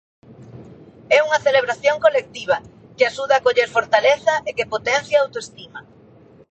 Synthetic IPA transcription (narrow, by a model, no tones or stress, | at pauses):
ɛuŋɐθeleβɾaθjoŋkolek̚t̪iβ̞ɐ | kɪaʃuð̞aːkoʎeɾfoɾt̪aleθɐʔekepot̪ɛn̟θjaawt̪oest̪imɐ